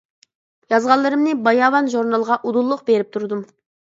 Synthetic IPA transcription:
jɑzʁɑllːˠɨɾɨmnɪbɑjɑvɑnʒuɾnɑlˠʁɑʔud̪ulˠːʊqbeɾɪp̚t̪ʰuɾd̪um

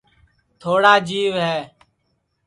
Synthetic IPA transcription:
t̪ʰoːɽaːd͡ʒiːʋɦɛː

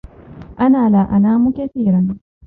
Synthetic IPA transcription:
ʔanaːlaːʔanaːmukaθiːɾan

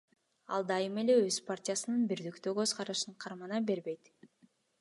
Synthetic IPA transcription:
ɑ̰lˠd̪ɑjɯme̞le̞øzpartʲijasɯnɯnbiɾd̪ykt̪økø̞zʁɑɾɯʃɯɴqʰɑɾmɑnɑbe̞ɾbe̞jt̪

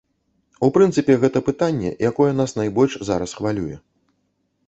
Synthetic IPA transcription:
upɾɨnt̪sɨpʲɛɣɛt̪ɐpɨt̪anʲːɛ̰jakɔjɛnasnajbɔlʲʂzaɾɐsxvalʲujɛ̰

